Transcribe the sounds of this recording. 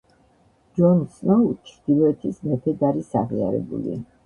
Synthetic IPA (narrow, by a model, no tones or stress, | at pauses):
d͡ʒɔnsnɔt͡ʃʰɾd̪̥ilɔɛt̪ʰismɛt̪ʰɛd̪aɾisaʁia̰ɾɛ̰bṵlḭ